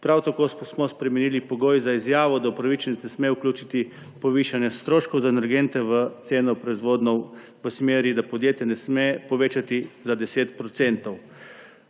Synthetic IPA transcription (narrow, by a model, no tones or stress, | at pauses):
pɾawt̪akoːsmɔspɾɛmɛnilipɔɡoːjzaizjaːʋɔd̪aupɾaʋit͡ʃnit̪nɛsmeuklʲuːt͡ʃit̪i | pɔʋiʃanjɛst̪ɾoːʃkɔwzaenɛɾɡent̪ɛʋət̪seːnɔpɾɔizʋoːd̪nɔw | ʋəsmeːɾid̪apɔd̪jeːt̪jɛnɛsmepɔʋeːt͡ʃat̪izad̪ɛseːt̪pɾɔt̪sent̪ɔw